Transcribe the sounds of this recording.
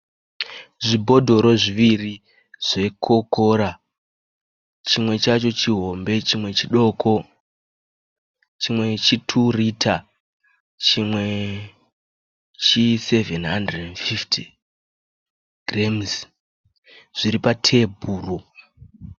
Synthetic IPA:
ʐibʱo̞dʱo̞ɾo̞ʐiʋiri | ʐ̥e̞kʰo̞ko̞ːɾa | t͡ʃimwe̞t͡ʃat͡ʃo̞t͡ʃiɦo̞mbe̞t͡ʃimwe̞t͡ʃiɗo̞kʰo̞ | t͡ʃimwe̞t͡ʃitʰuritʰa | t͡ʃimwe | t͡ʃise̞venɦandredenfifti | ɡremz | ʐ̥iɾipatʰe̞bʱuːro

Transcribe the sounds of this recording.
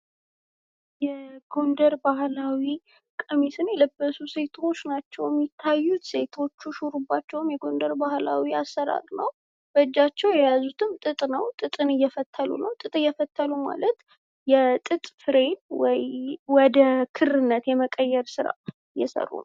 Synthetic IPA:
jɛɡ̥o̞nd̪əɾbahlawi | kʼəmisɨnjɛləbːəsuse̞t̪ʰo̞t͡ʃːnat͡ʃːɛwjɛmːit̪ʰːajːut̪se̞t̪ʰo̞t͡ʃːuʃuɾubːat͡ʃːɛwɨmjɛɡo̞nd̪əɾbahla̰wiasːəɾa̰ɾnə̰w | b̥əd͡ʒːat͡ʃːɛwjɛjazut̪ʰɨmt̪ʼɨt̪ʼnəwt̪ʼɨt̪ʼɨnɨjːɛfət̪ʰːəlṵnəwt̪ʼɨt̪ʼɨjːɛfət̪ʰːəluma̰lət̪ | jɛt̪ʼɨt̪ʼfɨɾe̞nwɔjwɔd̪əkʰɨrɨnːət̪jɛməkʼəjːɛɾsɨɾa̰ | ɨjːɛ̰sə̰rːṵn

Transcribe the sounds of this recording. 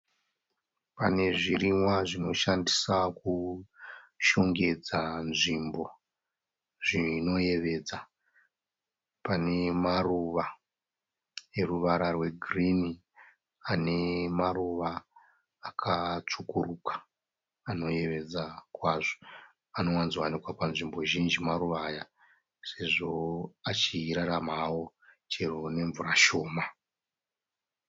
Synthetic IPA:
pane̞ʐirimwaʐino̞ʃandisaku | ʃo̞ŋɡe̞d͡zanʐimbo̞ | ʐ̥ino̞je̞ʋe̞d͡za | pane̞maruʋa | eruʋaɾarwe̞ɡʱrini | ane̞maruʋaː | kʰat͡ʂukurukḁː | no̞je̞ʋe̞d͡zakwaːʐo̥ | ano̞wanziwanikwapanʐimbo̞ʒind͡ʒimaruʋaːja | se̞ʐo̞at͡ʃiɾaɾamawo̞ | t͡ʃerone̞ɱvuraʃo̞ːma

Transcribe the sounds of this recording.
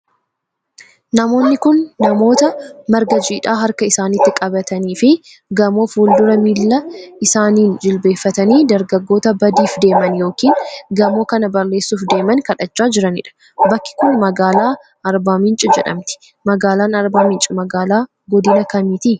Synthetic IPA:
nɐmo̞ːnːɪkʊnːɐmo̞ːt̪ɐmɐɾɡɐd͡ʒiːᶑaːɦɐɾkɐɪsaːnit̪ːɪkʼɐbɐt̪ɐniːfɪ | ɡɐmo̞ːfuːld̪ʊɾɐmilːɐʔɪsaːniːnd͡ʒɪlbe̞ːfːɐt̪ɐniːd̪ɐɾɡɐɡːo̞ːt̪ɐbɐd̪iːfd̪e̞ːmɐnjo̞ːkiːnɡɐmo̞ːkɐnɐbɐɾle̞ːsːuːfd̪e̞ːmɐnkɐᶑɐt͡ʃːaːd͡ʒɪɾɐnɪ̰ᶑɐ̥ | bɐkːɪ̥kʊnmɐɡaːlaː | ʔɐɾbaːmɪnt͡ʃʼɪd͡ʒɛᶑɐ̰mt̪ɪ̥ | mɐɡaːlaːnɐɾbaːmɪnt͡ʃʼɪmɐɡaːlaː | ɡɔd̪ɪnɐkɐmiːt̪iː

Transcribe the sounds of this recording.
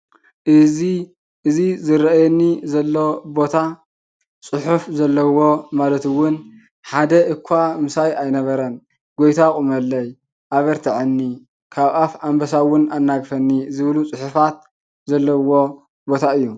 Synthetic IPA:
i | ʔɨzizɨɾɐajɛnːizɐlːobo̞t̪ʰa | t͡sʼɨħufzɐlːɐwo̞malɐt̪ɨwʊn | ħad̪ɐʔɨkʷʰːamɨsajajnɐβɐɾɐn | ɡo̞jt̪ʰakʼumɐlːɐj | ʔaβɐɾt̪ʰaʕɨnːi | kʰaβafambɐsawʊnanːaɡfɐnːizɨβlut͡sʼɨħʊfat̪̚ | zɐlːɐwo̞ | bo̞t̪ʰaɨjːu

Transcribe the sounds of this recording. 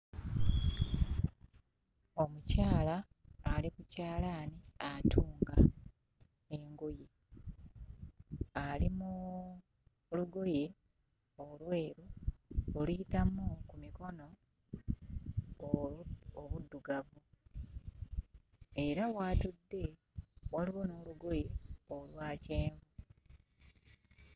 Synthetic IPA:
o̞mucaːlaː | likucaːlaːniatʰuːŋɡa | e̞ŋɡoje | alimu | luɡo̞je̞ | o̞lwe̞ːɾuolujitamukumiko̞no̞ | oβudːuɡavu | e̞ɾawaːtudːe̞ | waliwono̞ːluɡo̞je̞olwaːce̞ːɱvu

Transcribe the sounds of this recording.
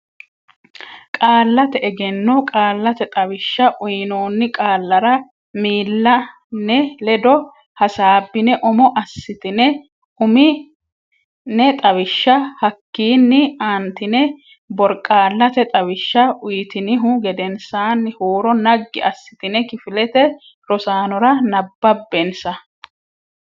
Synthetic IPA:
kʼaːlːɐt̪ɛɛɡɛnːɔkʼaːlːɐt̪ɛt̪ʼɐwɪʃːɐʔʊjnoːnːɪkʼaːlːɐɾɐ | miːlːɐ | nɛlɛd̪ɔ | hɐsaːbːɪnɛʔɔmɔʔɐsːɪt̪ɪnɛ | ʊmɪ | nɛt̪ʼɐwɪʃːɐhɐkːiːnːɪaːnt̪ɪnɛ | bɔɾkʼaːlːɐt̪ɛt̪ʼɐwɪʃːɐʔʊjt̪ɪnɪɦʊɡɛd̪ɛnsaːnːɪhoːɾɔnɐɡːɪ̰ɐsːɪ̥t̪ɪnɛkɪfɪlɛt̪ɛ | ɾɔsaːnɔɾɐnɐbːɐbːɛnsɐ

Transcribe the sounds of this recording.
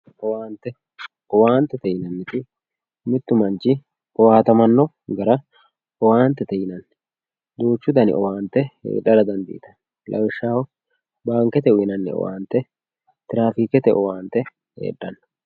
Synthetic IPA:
ʔɔwaːnt̪ɛ | ɔwaːnt̪ːɛt̪ɛjɪnɐnːɪt̪ɪ | mɪt̪ːʊmɐnt͡ʃɪ | ʔɔwaːt̪ɐmɐnːɔ | ɡɐɾɐ | ʔɔwaːnt̪ːɛt̪ɛjɪnɐnː | d̪uːt͡ʃːʊd̪ɐnɪ̰ʔɔwaːnt̪ːɛhḛːɗːɐɾɐd̪ɐnd̪ḭːt̪ɐ̥nː | lʔɐ̰wɪʃːaːwɔ | baːŋkɛt̪ɛʊɪnɐnːɪ̰ɔ̰wa̰ːnt̪ːɛ | t̪ɪɾaːfiːkɛt̪ɛʔɔwaːnt̪ːɛ | hḛːᶑːɐnːɐ

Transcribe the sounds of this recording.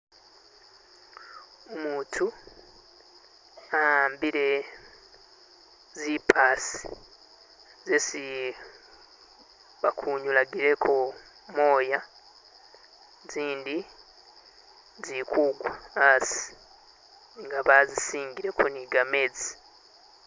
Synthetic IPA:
omuːntʰu | aaːmbiɾe̞ | zipʰaːsi̥ | zesi | βakʰuːɲulaɡiɾe̞kʰo | mo̞ːja | ziːndi | zikʰuːɡwaːsi̥ | ŋɡaβazisiːŋɡiɾe̞kuniɡame̞ːd͡zi̥

